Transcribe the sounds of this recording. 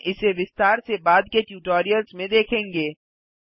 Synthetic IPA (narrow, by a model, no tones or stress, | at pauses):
ʔɪseʋɪst̪aːɾsebaːd̪̚keʈjuːʈoːɾijəlzmẽd̪eːkʰẽːŋɡeː